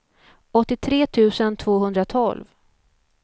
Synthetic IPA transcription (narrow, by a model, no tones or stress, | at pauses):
ɔt̪ːɪt̪ʰɾeːt̪ʰʉ̟ːsənt̪ʰv̥oːhɵnd̪ɾat̪ʰɔ̰lv